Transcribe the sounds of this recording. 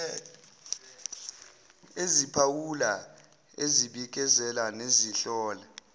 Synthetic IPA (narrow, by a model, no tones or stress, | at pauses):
ezipʰawula | eziɓik̬ʼɛzɛlaneziɬɔːla